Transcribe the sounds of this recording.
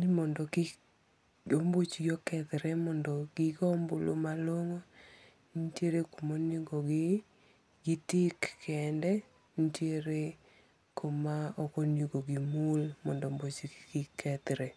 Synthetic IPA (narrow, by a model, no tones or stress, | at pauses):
nɪmɔndɔɡɪ | ombot͡ʃɡjɔkɛt̪ɾɛmɔndɔɡ̥ɪɡɔmbolo̰maloŋo | nteɾekomonjiɡoɡɪ | ɡɪtikːɛndɛ | n̩tjeɾe | komaɔkonjoɡoɡimulmɔndɔmbot͡ʃiɡɡɪkɛt̪ɾɛ